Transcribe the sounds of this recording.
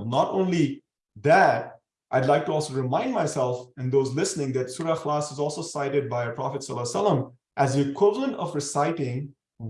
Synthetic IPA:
nɔɾõʊ̃nli | ðæt̚ | ʔaɪdˡlaɪk̚ʈuɔlˠsoɾɪmãɪ̃nɖmaɪsɛlˠfɨ̃nd̪oːzlɪsnɪ̃ŋd̪ætsuːɾaxlasɨzɔlˠsosaɪɾɪɖ̚baɪəpɾɑfɨtsʌlːsʌlːə̃m | ʔæzikʰwɪvlˠə̃nɔ̰fɾɪsaɪʈɪ̃ŋ

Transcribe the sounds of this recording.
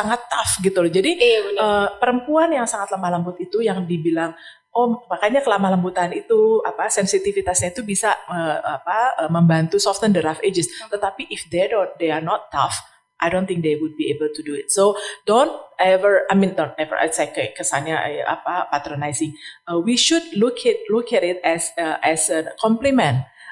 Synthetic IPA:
saŋat̪ːafɡit̪uld͡ʒadiəpəɾəmpuanjaŋsaŋat̪lamahlambʊt̪it̪ujaŋdibilaŋ | omahkaɲakəlamalambut̪anit̪uapasɛnsit̪ifit̪asɲait̪ubisaəapaəməmbant̪usɔft̪əndəɾafed͡ʒəst̪ət̪apiʔɪfd̪edodearnɔt̪ːa̰f | ʔajdont̪ɪŋk̚d̪ewʊd̚biebəlt̪uduɪt̪̚sodont̪̚ɛvərajmindont̪̚nɛvə̰ɾʔɛ̰sɛkkːəsanɲaʔʔa̰papat̪ɾonajsɪŋəwiʃud̚lukʰɪt̪̚lʊkɛtɪt̪̚ɛsəʔɛsəkʰɔmplimɛ̃n

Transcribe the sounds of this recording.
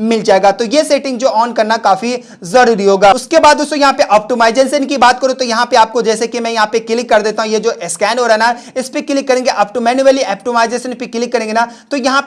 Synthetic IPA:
mɪld͡ʒaːeɡaːt̪ojeseːʈɪ̃ŋɡd͡ʒoːʔɔːnkɐɾnakaːfi | zɐɾuːɾiɦoːɡaːʊskebaːd̪ʊsojɐɦãpeʔɔːp̚ʈomaːɪd͡ʒensənkibaːt̪kɐɾot̪ojɐɦãpeaːp̚kod͡ʒɛːsekimɛ̃jɐɦãpekɪlɪkːɐɾd̪eːt̪aːɦũjed͡ʒoːʔɛskɛːnɦoːɾaɦɛna | ɪspekɪlɪkːɐɾẽːŋɡeʔaːpʈomɛ̃ːnueliɛːp̚ʈomaːɪd͡ʒeːsənpekɪlɪkːɐɾẽːŋɡenat̪ojɐɦã

